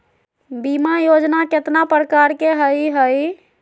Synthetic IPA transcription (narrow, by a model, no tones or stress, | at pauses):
bimajod͡ʒnaket̪napɾəkaɾkeɦəjɦəj